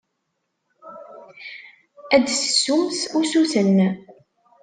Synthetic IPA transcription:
æd̪sə̥sːumsusuθənː

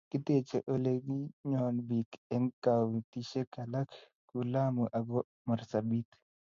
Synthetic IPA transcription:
kɪt̪eːt͡ʃːɛʔɔleɡiɲoːnbikɛŋkawt̪iʃɛkɐlɐk | kulaːmuʔɐɡɔ | mɐɾsɐbit̪

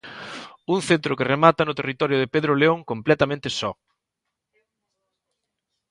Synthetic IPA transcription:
uŋθent̪ɾʊkɪremat̪ɐnʊt̪erit̪ɔɾjʊðɪpeðɾʊleoŋkomplɛt̪amẽnt̪ɪsɔ

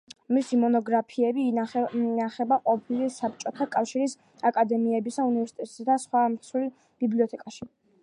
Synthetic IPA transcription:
misimɔnɔɡɾapʰiɛbi | aχɛbaqʼɔpʰilisap̚ʰt͡ʃʼɔt̪ʰakʼafʃiɾis | akʼad̪ɛmiɛbisaunivɛɾsi̥t̪ʼʰɛt̪ʼsad̪asχwamsil | b̥ibliɔt̪ʰɛkʼaʃi

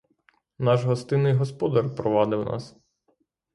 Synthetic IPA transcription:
nɑʒɦɔst̪ɪnɪjɦɔspɔd̪ɐrpɾɔʋɑd̪ɪwnʔɑ̰s

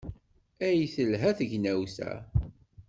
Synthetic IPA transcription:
æjθəlɦæθəʝnæwsæ̰

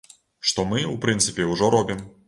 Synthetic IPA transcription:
ʂt̪ɔmɨupɾɨnt̪sɨpʲɛwʐɔɾɔbʲim

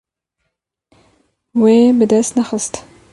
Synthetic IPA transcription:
webəd̪ast̪naχəst̪

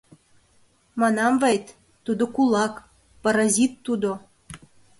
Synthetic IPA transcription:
mɑnɑmvejt̪ | t̪ːud̪okulˠɑk | pɑɾɑzʲit̪ːud̪o

